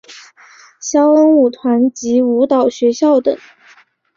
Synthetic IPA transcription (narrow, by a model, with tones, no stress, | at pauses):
ɕjɑ˥ʊə˥ŋu˨˩t̪ʰwa˧˥nt͡ɕi˧˥u˧˥t̪ɑ˨˩ʊɕɥɛ˧˥ɕjɑ˥˩ʊt̪ɤ̰˨˩˦ŋ